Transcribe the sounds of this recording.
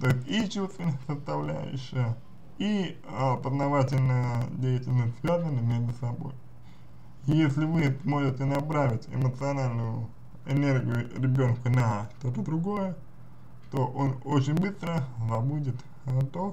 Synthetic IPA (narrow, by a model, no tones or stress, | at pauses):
t̪o̞ɪsʲtʲit͡ɕust̪vʲɪnəsəst̪ɐvlʲæ̰jʊ̰ɕɪjə | i | əpəznɐvatʲɪlʲnəjədʲejɪtʲɪlʲnəsʲvʲazənːəmʲeʐd̪ʊsɐbo̞̰j | jjesʲlʲɪvɨsmo̞ʐɪtʲɪnɐpɾavʲɪtʲɪ̰mət̪sɨɐnalʲnʊjʊ | ɪnʲe̞rɡʲɪjʊɾʲɪbʲo̞nkʊnɐʂt̪o̞t̪əd̪ɾʊɡo̞jə | t̪o̞ʔonot͡ɕɪnʲbɨst̪ɾəzɐbudʲɪt̪ | t̪o